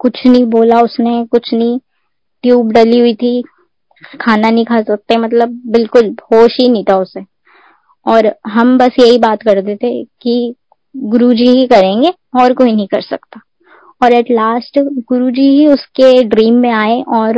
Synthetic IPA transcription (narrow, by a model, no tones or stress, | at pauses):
kʊt͡ʃʰnɐĩboːlaʊsnekʊt͡ʃʰnɐi | ʈjuːbɖɐliɦʊit̪ʰi | kʰaːnanɐɦĩkʰaːsɐk̚t̪eɦɛmɐt̪ləb̚ːɪlkʊlhoːʃɦinit̪aʊsẽ | ɔːɾɦɐmbɐsjɐɦibaːt̪kɐɾd̪eːt̪eki | ɡʊɾud͡ʒiːɦikɐɾẽːŋɡe | ɔːɾkoːinɐɦĩkɐɾsɐkt̪aː | ɔːɾɛːʈlaːsʈɡʊɾud͡ʒiɦiʊskeɖɾiːmːẽaːeʔɔːɾ